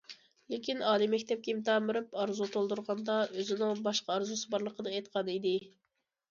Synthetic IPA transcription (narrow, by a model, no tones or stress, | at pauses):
lɪkʲinɑːlˠimɛkʲt̪ʰɛp̚kʲemt̪ʰɑːmɨɾɨpɑɾzut̪ʰolˠd̪uɾʁɑnd̪ɑøzɪnɪŋbɑʃqɑɑɾzusɨbɑɾlˠəqəd̪ɨet̪ə̥qʰɑd̪ɨid̪ɪ